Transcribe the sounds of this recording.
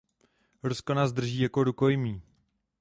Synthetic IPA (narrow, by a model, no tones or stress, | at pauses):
ɾuskonaːzd̪r̩ʒiːjakoɾukojmiː